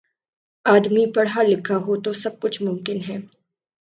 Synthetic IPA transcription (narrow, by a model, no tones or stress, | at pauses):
aːd̪mipɐɽɦalɪkʰaɦot̪osɐb̚kʊt͡ʃʰmʊmkɪnɦɛː